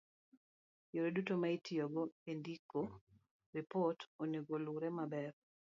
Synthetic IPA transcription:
joɾedutomaitʰiɔɡɔendiko | ripɔtoneɡoluɾemabɛɾ

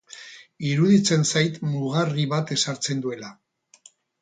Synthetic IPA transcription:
iɾuðit͡se̞nsajt̪muɣariβat̪e̞saɾt͡se̞nd̪ue̞la

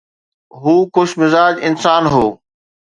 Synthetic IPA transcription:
ɦuːxʊʃmɪzaːd͡ʑɪnsaːnɦoː

